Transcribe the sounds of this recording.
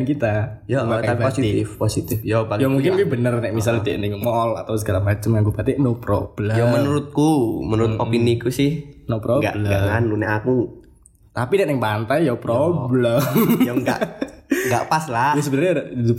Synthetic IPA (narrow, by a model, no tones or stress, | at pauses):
nkit̪a | joaaaosiɪfposit̪ɪfjobajamuŋkɪnkuɛbənərnɛʔmis̬alt̪iʔnɪŋmɔla̰t̪awsəɡaɾamat͡ʃʊmŋaŋkubat̪ɛʔnopɾɔ̰b̥əlajɔmənuɾʊt̪̚kumənuɾʊt̪opinikusɪhnopɾoɡa̰ʔblɡaʔŋanlunɛʔaku | t̪apinɛʔnɪŋpant̪ajjɔpɾɔbəlajɔŋɡa̰ŋɡa̰ʔpasladʊsəbənərɲaddidu